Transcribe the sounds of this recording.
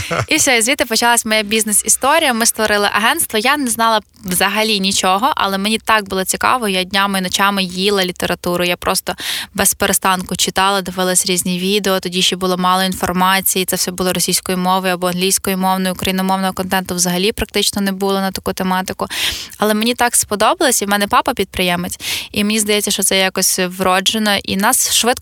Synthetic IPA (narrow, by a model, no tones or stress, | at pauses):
isʲɔizʲʋʲit̪ɪpɔt͡ʃɐlˠasʲmɔjabʲiznesist̪ɔɾʲijɐmɪst̪ʋɔɾɪlˠɪ̰ʔɐɦɛnst̪ʋɔjanɛznɑlˠɐ | ʋzɐɦɐlʲinʲit͡ʃɔɦɔʔɐ̰lˠɛmenʲit̪ɑk̚bʊlˠɔt͡sʲikɑ̰ʋɔjjadʲnʲamɪinɔt͡ʃɑmɪjilˠɐlʲit̪eɾɐt̪uɾʊjapɾʔɔst̪ɔbɛspeɾest̪ɑnkʊt͡ʃɪt̪ɑlˠɐd̪ɪʋɪlˠɐsʲɾʲizʲnʲiʋʲid̪eɔt̪ɔdʲiʃibʊlˠɔmɑlˠɔinfɔrmɑt͡sʲijit̪sɛwsʲɛbʊlˠɔɾɔsʲijsʲkɔjimɔʋɔjɐbɔɐnɦlʲijsʲkɔjʊmɔwnɔjʊʊkɾɐjinɔmɔwnɔɦɔkɔnt̪ɛnt̪ʊʋzɐɦɐlʲipɾɐk̚t̪ɪt͡ʃnɔnɛbulˠɔnɐt̪ɐkut̪emɑt̪ɪkʊɐlˠɛmenʲit̪ɑkspɔd̪ɔbɐlˠɔsʲiwmɛnɛpɑpɐpʲid̪̚pɾɪjɛmet͡sʲimenʲizd̪ɐjɛt͡sʲːɐʃt͡ʃɔt̪sɛjɑkɔsʲʋɾɔd͡ʒenɔʔḭnɑsʃʋɪt̪